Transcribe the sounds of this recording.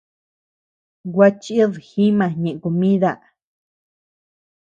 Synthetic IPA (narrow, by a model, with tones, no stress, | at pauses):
wa˦t͡ʃi˦ðxĩ˦mã˧˨ɲẽ˨ʔe˨ko˨mĩ˦ða˦˧˨ʔ